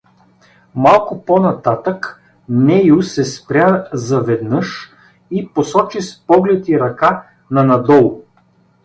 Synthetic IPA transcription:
malˠkʊponɐt̪at̪ək | nɛjʊsɛspɾʲazɐvɛd̪nɤʃ | iposɔt͡ʃispɔɡlɛt̪iɾɐka | nɐnɐd̪ɔlˠ

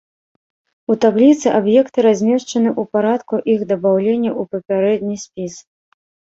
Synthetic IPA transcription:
ut̪ablʲit̪sɨʔabjɛkt̪ɨɾazʲmʲɛʂt͡ʂɐnɨʔupaɾat̪kuʔixd̪ɐbawlʲenʲːɐupɐpʲaɾɛd̪̚ʲnʲisʲpʲis

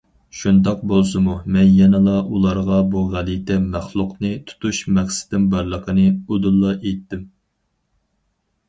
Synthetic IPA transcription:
ʃunt̪ɑq̚bolˠsɨmumɛnjɛnɨlˠɑʔulˠɑɾʁɑbuʁælit̪ʰɛmæχlˠʊqnɨt̪ʰu̥t̪ʰuʃmæχsɪ̥d̪ɪnbɑɾlˠəqʰənɨod̪ulˠːɑʔet̪ːɪm

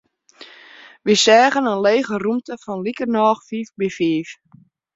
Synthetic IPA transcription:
ʋisɛːɣənənleːɣərumtəfɔnlikərnɔːxfiːfbifiːf

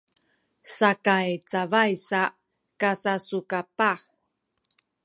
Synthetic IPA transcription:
sakajt͡savajsa | kasasukapax

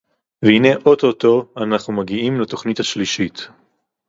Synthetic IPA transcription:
vehine̞ʔo̞toto̞anaχnumaɡiimleto̞χnithaʃliʃit

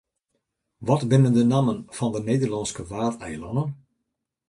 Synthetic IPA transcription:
ʋɔtbɪnəndənaːmənv̥ɑndənejdərlɑnskəʋaːrtɛjlɔndən

